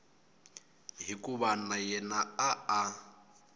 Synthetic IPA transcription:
ɦikʼuβanajɛnaaa

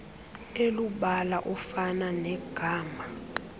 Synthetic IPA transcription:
eluɓalaʔɔfananɛɡ̥ʱaːma

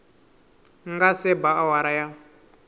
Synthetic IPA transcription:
ŋɡasɛbaawaɾaja

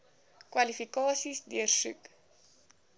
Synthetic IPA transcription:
kwɐlifikɑːsisdiərsʉ̰k

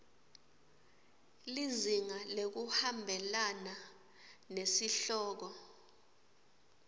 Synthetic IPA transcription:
liziŋalek̬uhambʱɛlana | nesiɬɔːk̬ɔ

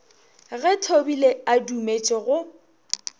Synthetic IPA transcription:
ɣɛtʰobileadumet͡ʃʼɪɣʊ

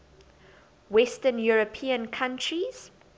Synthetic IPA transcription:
wɛstə̃njuɹəpʰĩə̃nkʰãntɹiz̥

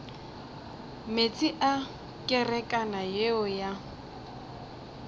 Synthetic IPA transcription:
met͡sʼiʔa | kʼɪrɛkʼanajeɔja

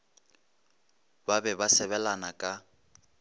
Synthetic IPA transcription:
babɛbasɛβɛlanakʼa

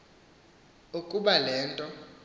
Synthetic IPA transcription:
ukʼuɓalɛːntʼɔ

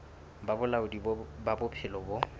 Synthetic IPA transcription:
babʊlaʊdibbabʊpʰɪlɔbɔ

